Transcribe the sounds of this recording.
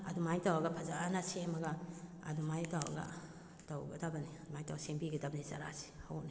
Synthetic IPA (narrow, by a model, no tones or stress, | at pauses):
ɐ̰dumajtawaɡɐpʰazaanasemɐɡa | a̰dumajtawa̰ɡa̰ | tawɡɐ̰dabɐniadmajtawsiŋbiɡɐdabɐniza̰ɾa̰si̥ho̰wni